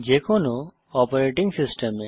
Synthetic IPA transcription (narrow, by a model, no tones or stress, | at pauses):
d͡ʒekʰɔno | ɔpeɾeʈiŋsisʈeme